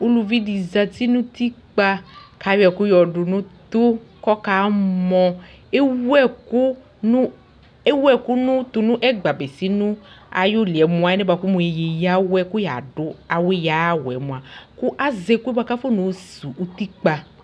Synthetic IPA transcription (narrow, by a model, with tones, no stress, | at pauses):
u˦lu˧vi˦di˨za˧ti˦nũ˦t̪i˦k͡pa˧ka˨˦jɛ˨kʊ˦jɔ˨ɖʊ˨nũ˦t̪ʊ˦kɔ˦ka˨˦mɔ̃˧ | e˦wɛ˦ku˦ | nu˦ | e˦wɛ˦˨ku˦nũ˦t̪u˧nũ˦ʔɛ˦ɡ͡ba˨be˨si˦nũ˦a̰˨jʊ˦li˨ɛ˨mũ˨a˨ɛ˦ne˦ba˨ku˦mũ˨e˨je˨ja˦wɛ˦kʊ˦ja˨ɖʊ˦a˨we˦ja˨˦wɛ̰˨mũ˨a˨kʊ˦ʔa˦ze˨ku˦ɛ˦ba˧ka˦fo˦nũ˨˦su˨ʔu˦t̪i˦k͡pa˧